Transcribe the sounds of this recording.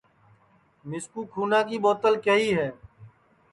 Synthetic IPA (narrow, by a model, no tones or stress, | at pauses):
mɪskuːkʰuːnãːkiːboːt̪əlkəɦiːɦɛː